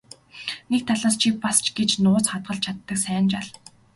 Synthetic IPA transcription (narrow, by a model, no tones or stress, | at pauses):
nek̚t̪ʰaɮaːst͡ɕʰipast͡ɕɡet͡ɕnʊːt͡sχat̪̚ɢə̆ɬt͡ɕʰat̪ːə̆ksæːnt͡ɕaɮ